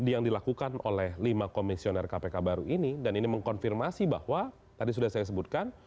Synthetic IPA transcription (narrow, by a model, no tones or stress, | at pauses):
dijaŋdilakukano̰lɛhlimakomisionɛrkapekabaɾuʔinidaniniməŋkɔnfirmasiba̰hwa | t̪adis̬udahsajas̬əbut̪̚kan